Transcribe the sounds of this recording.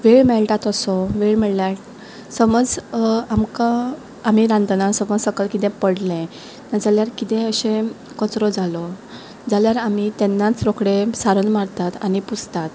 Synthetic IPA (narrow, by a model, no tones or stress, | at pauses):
ʋeɭmɛlʈat̪əsɔʋeɭmeɭljaʈ | səməd͡zamkaː | miɾãnd̪nasəmɔd͡zsəkəlkit̪ɛ̃pəɽlẽ | nad͡zaljaɾkit̪ẽəɕẽ | kət͡sɾɔd͡zalɔ | d͡zaljaɾamit̪ɛnːat͡sɾokɽesaɾənmaɾt̪at̪a̰niput͡st̪at̪